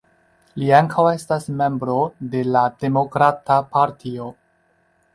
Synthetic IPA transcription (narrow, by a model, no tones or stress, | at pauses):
liaŋkʰawe̞stasme̞mbɾo̞de̞lade̞mo̞kɾatapaɾtʰio̞